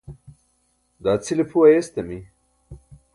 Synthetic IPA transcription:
d̪aːt͡sʰilepʰuwajest̪emi

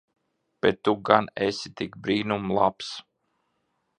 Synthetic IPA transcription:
b̥ɛt̪ːuɡanesʲit̪ikbɾiːnumlˠaps

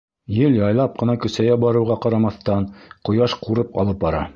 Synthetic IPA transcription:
jɘljɑjlˠɑp̚qɤ̆nɑkɵ̆sæjæbɑɾɤ̆wʁɑqɑɾɑmɑθt̪ɑnqŏjɑʃquɾɤpɑ̰lˠɤp̚bɑɾɑ̰

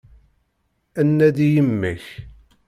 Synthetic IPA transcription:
ænːæðijəmːəç

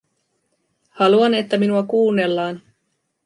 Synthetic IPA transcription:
hɑluɑne̞t̪ːæminuɑkuːnːe̞lːɑːn

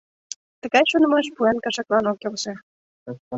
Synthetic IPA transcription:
t̪ə̆ɣɑjʃunəmeʃpuenkɑʃɑklɑnokelʃĕ

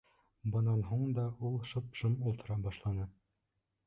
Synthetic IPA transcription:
bɤ̆nɑnɦuɴd̪ɑulˠʃɤ̆pʃɤmulˠt̪ɤ̆ɾɑbɑʃlˠɑnɤ

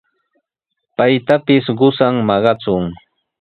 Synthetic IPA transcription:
pajt̪apɪsɢʊsaŋmɑɢɑt͡sʊŋ

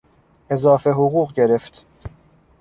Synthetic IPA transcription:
e̞zɒːfe̞ɦoɣuːɣɟe̞ɾeft̪

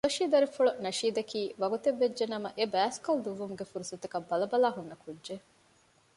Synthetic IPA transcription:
lɐʃiːd̪ɐɾifuɭunɐʃiːd̪ɐkiːʋɐɡut̪eʋːed͡ʒd͡ʒːenɐmɐʔebæːskɐld̪uʋːumuɡefuɾusɐt̪ɐkɐbːɐlɐbɐlaːɦunːɐkʰudʒe

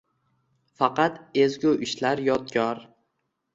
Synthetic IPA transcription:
fɑqɑt̪ezɡʲuʔɪʃlaɾjɒt̪ɡʲɒɾ

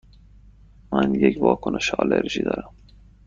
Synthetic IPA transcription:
mænjecvɒːkʰoneʃɒːleɾʒiːd̪ɒ̰ːɾæm

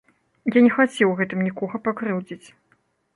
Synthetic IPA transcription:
janʲɛxat͡sʲɛwɣɛt̪ɨmnʲikɔɣɐpakɾɨwd͡zʲit͡sʲ

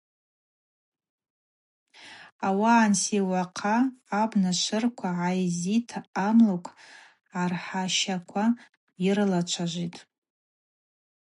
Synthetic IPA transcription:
awaːnsiwaqʰaːbnaʃʷʰɨrkʷʰaʕajzitʰamlokʷʰʼ | ʕarħaʃakʷʰa | irlat͡ʃʷʰaʒʷitʼ

